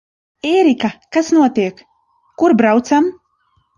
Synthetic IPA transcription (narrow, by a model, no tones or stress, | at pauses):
eːɾikakasnuɔt̪iɛkː | uɾbɾawt̪sam